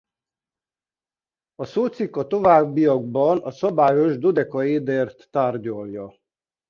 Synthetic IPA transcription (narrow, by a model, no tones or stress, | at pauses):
ɒsoːt̪sikːɒt̪o̞vaːbːijɒɡ̚bɒnɒsɒbaːjo̞ʒd̪od̪ɛkɒeːd̪eːrt̪ːaːrɟɒljɒ